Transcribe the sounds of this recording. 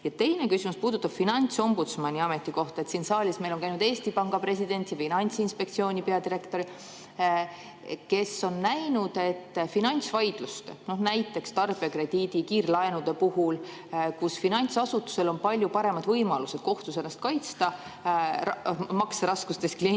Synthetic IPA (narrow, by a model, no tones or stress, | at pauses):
jɑt̪e̞jne̞kysʲimuspuːd̪ut̪ːˑɑb̥finɑnʲt̪so̞mbut̪smɑnʲiɑme̞t̪ːˑiko̞ht̪ɑe̞t̪siːnsɑːlʲismejlonkæjnud̪eːst̪ipɑŋɡ̥ɑpre̞sʲid̪̥e̞nʲt̪jɑfinɑnʲt̪sinspe̞k̚t̪sio̞ːnʲipe̞ɑd̪iɾe̞kt̪o̞ɾi | ke̞so̞nːæjnud̪̥e̞t̪ːfinɑnʲt̪svɑjd̪̥lust̪enohnæjt̪ːˑe̞kst̪ɑrb̥iɑkre̞d̪̥iːd̪̥ikiːrlɑenud̪̥e̞puɦul | kusfinɑnʲt̪sɑsut̪ːˑu̥se̞lo̞npɑlʲjupɑɾe̞mɑd̪̥vɤjmɑluse̞d̪̥̚ko̞ht̪usenːɑst̪̚kɑjt̪st̪ɑ | mɑksɾɑskust̪e̞skli